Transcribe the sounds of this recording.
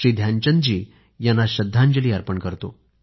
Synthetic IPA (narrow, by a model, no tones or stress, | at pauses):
id̪ʱjaɲt͡ɕənd͡ʑiː | janːaɕəd̪ʱːãɲd͡ʑəliːaɾpəɳkəɾt̪o